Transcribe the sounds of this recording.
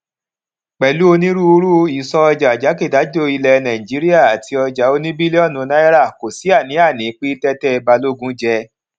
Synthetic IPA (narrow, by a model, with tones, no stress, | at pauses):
k͡pɛ˨lu˨˦o˧nĩ˦ɾu˦ɾu˦i˨sɔ˧ɔ˧d͡ʒa˨d͡ʒa˨˦ke˦˨da˨˦d͡ʒo˦˨i˧lɛ˧nã˨ĩ˨d͡ʒi˨˦ɾi˦a˦˨a˨tʰi˧ɔ˧d͡ʒa˨˦o˧nĩ˦bi˦le˦ɔ˦˨nũ˨˦na˦ɛ˦ɾa˦˨ko˨si˨˦a˦˨nĩ˨˦a˦˨nĩ˨˦k͡pi˦tɛ˦tɛ˦˨˧ba˧lo˦ɡũ˦d͡ʒɛ˧˦